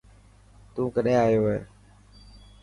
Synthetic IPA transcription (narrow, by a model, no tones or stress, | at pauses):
t̪ũːkəɗẽːaːjoːeː